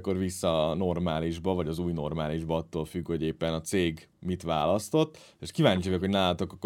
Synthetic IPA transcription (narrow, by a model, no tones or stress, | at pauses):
kːo̞rʋisːɒːno̞rmaːliʒbɒvɒɟɒzuːjno̞rmaːliʒbɒɒt̪ːoːlfykho̞ɟeːpːɛnɒt̪seːɡ | mit̪ʋaːlɒst̪o̞t̪ː | eʃkivaːɲt͡ʃiɛkho̞ɟnaːlɒt̪o̞kɒkː